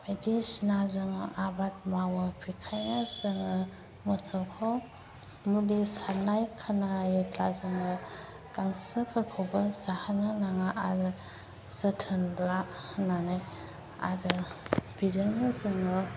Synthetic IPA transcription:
badisnazɯŋɯʔabat̚mawɯpʰikʰajnazɯŋɯ | mɯsawkʰɔ | mulesanajkʰanajɯtlazɯŋɯ | kaŋsɯpʰaɾkʰɔwbɯzahananaŋaʔaɾɯ | sətʰɯnblananaj | a̰ɾɯb̥idɯŋɯzɯŋɯ

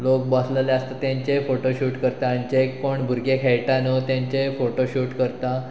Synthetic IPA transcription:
lok̚basləleəst̪at̪jãɲt͡ɕefoʈoɕuːʈkəɾt̪aɳt͡ɕekːoɳbʱuɾɡekʰeɭʈanət̪jãɲt͡ɕefoʈoɕuːʈkəɾt̪a

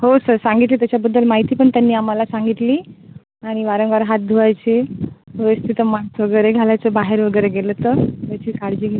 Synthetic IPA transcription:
hosəɾsãŋɡit̪liːt̪jat͡ɕjabəd̪ːəlmaɦit̪iːpəɳt̪janːiːam̤alasãŋɡit̪liː | aɽ̃iʋaɾəŋɡʋaɾɦat̪̚d̪ʱuajt͡ɕeʋeʋəst̪ʰit̪əmaɳsʋəɡəjɾeɡʱalat͡səbaɦeɾʋəɡəjɾeɡelət̪ət̪jat͡ɕiːkaɽd͡ʑiːɡ

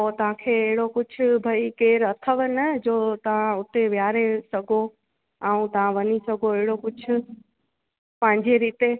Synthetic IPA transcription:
ot̪ɐʋ̤ãkʰeːɦɪɽokʊd͡ʑʱʰʊ̆bʱɐikeːɾɐt̪ʰəʋnəd͡ʑoːt̪ɐʋ̤ãʊt̪eʋjaːɾesɐɡʱo | aːũt̪ɐʋ̤ãʋɐɲisɐɡʱoeɦɪɽokʊd͡ʑʰʱʊ̆ | pɐ̃ɦɪ̃ɲd͡ʑeɾiːt̪e

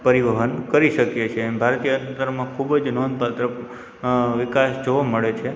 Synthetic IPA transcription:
pəɾiʋəɦənkəɾiʃəkjet͡ʃʰebʱaɾt̪ijəənt̪əɾmãkʰubəd͡ʒnonpat̪ɾə | ʋɪkasd͡ʒoʋaməɭet͡ʃʰe

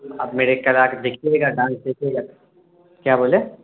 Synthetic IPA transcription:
ɐ̰bmeːɾekɐlaːkd̪ekʰeeɡaɖãːnsd̪ekʰeɡa | kjaːboːle

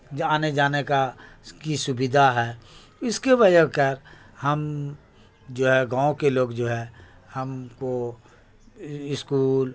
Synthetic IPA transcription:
d͡ʒaːned͡ʒaːnekakisʊbɪd̪ʱaɦɛː | ʊskebəd͡ʒəkəɾ | hɐm | d͡ʒoːɦɛɡãːõkeloːɡd͡ʒoːɦɛ | hɐmko | ɪskuːl

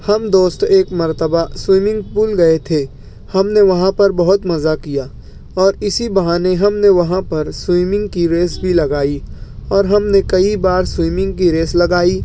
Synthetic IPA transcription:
hɐmd̪oːst̪eːkmɐɾt̪əbaswiːmɪ̃ŋɡpuːlɡɐet̪ʰe | hɐmneʋɐɦãpɐɾbɐɦʊt̪mɐzakijaː | ɔːɾɪsibɐɦaːneɦɐmneʋɐɦãpɐɾswiːmɪ̃ŋɡkiɾeːsbʱilɐɡaːiɔːɾɦɐmnekɐibaːɾswiːmɪ̃ŋɡ̚kiɾeːslɐɡaːiː

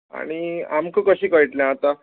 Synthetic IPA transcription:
a̰ɽ̃ia̰mkəkəɕiːkəiʈljãat̪a

